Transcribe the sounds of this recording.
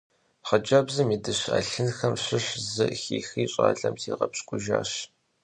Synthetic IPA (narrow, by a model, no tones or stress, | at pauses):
ħɐd͡ʒɐbzɨmiːdɨɕa̰ːɬɨnxɐmɕʷɪɕzɨxiːxiːɕʼa̰ːɮɐmtʰiːʁɐpɕkʷʼʊʒaːɕ